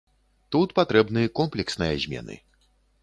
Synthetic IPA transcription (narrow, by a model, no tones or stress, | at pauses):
t̪ut̪pat̪ɾɛbnɨjɐkɔmplʲɛksnɨjɐzʲmʲɛ̰nɨ̰